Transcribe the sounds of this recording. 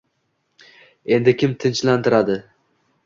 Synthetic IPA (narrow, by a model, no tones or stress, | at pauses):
e̞nd̪ɪkʲɪmt̪ʰɪnt͡ʃlant̪ʰɪɾad̪ɪ